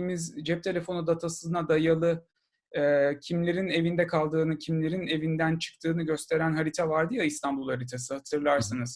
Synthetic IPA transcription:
mizd͡ʒɛp̚t̪ʰe̞lʲe̞fo̞nud̪at̪ʰasɯznad̪ajalˠɯ | cʰimlʲe̞ɾine̞vind̪ɛkʰalˠd̪ɯːnɯcʰimlʲe̞ɾine̞vind̪ænt͡ʃʰɯ̥k̚t̪ʰɯːnɯɟø̞st̪ʰe̞ɾænɦaɾit̪ʰavaɾd̪ɯjaist̪ʰanbulˠhaɾit̪ʰasɯhat̪ʰɯɾlˠaɾsɯnɯz̥

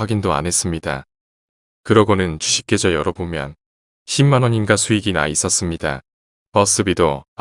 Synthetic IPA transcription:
aɡindoa̰ne̞s͈ɯmɲida̰ | kɯɾʌɡonɯnt͡ɕuɕʰi̥k̚k͈e̞d͡ʑʌjʌɾʌbomjʌ̰n | ɕʰimːanʌɲinɡasʰuiɡina̰is͈ʌs͈ɯmɲida̰ | pʌs͈ɯbido

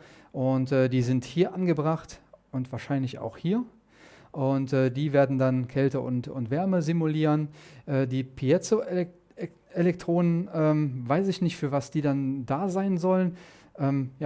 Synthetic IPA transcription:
ʔʊntɛːdiːzɪnthiːɐʔanɡəbʁaχtʔʊntv̥aːɐʃaɪnlɪça̰ʊxhiːɐ | ʔʊntɛːdiːveːɐdn̩dankʰɛltəʔʊ̰ntʊ̰ntv̥ɛɐməzimuliːʁənʔɛːdiːpʰiɛt͡so | elɛk̚tʁ̥oːnənʔɛːmvaɪsɪçnɪçtfyːɐvasd̥iːdandaːzaɪnzɔlən | ʔɛːmja

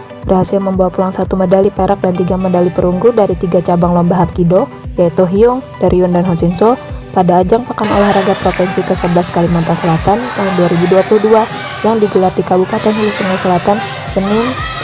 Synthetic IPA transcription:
bərhasɪlməmbawapulaŋsat̪umədalipeɾak̚dant̪iɡamədalipəɾuŋɡudaɾit̪iɡat͡ʃabaŋlɔmbaɦap̚kido | jait̪uɦiʊŋd̥aɾʔiundanɦɔnsinsɔpadaːd͡ʒaŋpakano̰lahraɡapɾofɛnsikəsəblaskalimant̪ansəlat̪ant̪aɦunduaɾibuduapuluhdua | jaŋdiɡulardikabupat̪ɛnɦulusunajsəlat̪an | sənɪn

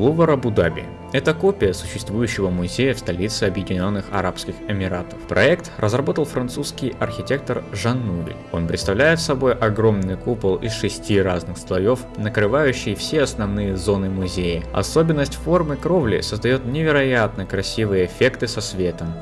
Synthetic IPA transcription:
lˠuvəɾɐbʊd̪abʲɪ̰ | ɛt̪əkopʲɪjəsʊ̥ɕːɪst̪vujʉɕːɪvəmʊzʲejəfst̪ɐlʲit̪sɨɐbjɪdʲɪnʲo̞nːɨxɐ̰ɾapskʲɪxɪmʲɪɾat̪ə̥fpɾɐɛkt̪rʔəzrɐbo̞t̪əlˠfɾɐnt̪suskʲɪjɐrxʲɪtʲe̞k̚t̪ərʐɐnːuɾʲɪ̰o̞̰npɾʲɪt̪st̪ɐvlʲæjɪt̪sɐbo̞jʔɐɡɾo̞mnɨjkupəlˠɪ̰sʂɨsʲtʲiraznɨxst̪lˠɐjo̞fnəkɾɨvajʉɕːɪjfsʲeɐsnɐvnɨjəzo̞nɨmʊzʲejəɐ̰so̞bʲɪnːəsʲtʲfo̞rmɨkɾo̞vlʲɪ̰səzd̪ɐjo̞t̪nʲɪvʲɪɾɐjat̪̚nəkɾɐsʲivɨjəːfʲe̞kt̪ɨsɐsvʲet̪əm

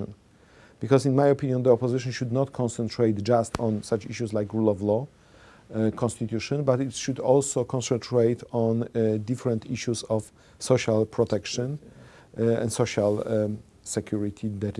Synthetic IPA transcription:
ɔ̰̃n | b̥ikɔsĩnmajɔpĩnjɔ̃nd̪əɔpɔzɪʃɔ̃nʃud̪nɔt̪kʰɔ̃nsɛ̃ntɹejt̪d͡ʒast̪ɔ̃nsat͡ʃiʃuslajkɹulɔvlɔ | kʰɔ̃nst̪it̪juʃɔ̃nbat̪it̪ʃud̪ɔlsokʰɔ̃nsɛ̃ntʰɹeɪt̪ʰɔ̃nd̪ifɾɛ̃nt̪ʰiʃusɔf | soʃalpʰɹɔt̪ɛkʃɔ̃n | ɛ̰̃nd̪soʃal | sɛkʰjuɹit̪ʰid̪ɛt

